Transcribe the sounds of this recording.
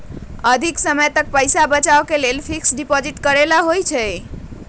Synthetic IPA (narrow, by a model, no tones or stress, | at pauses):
əd̪ʱiksəməjt̪ək̚pəjsabət͡ʃaokelelpʰiksɖipɔd͡ʒiʈkəɾelaɦojt͡ʃʰɛ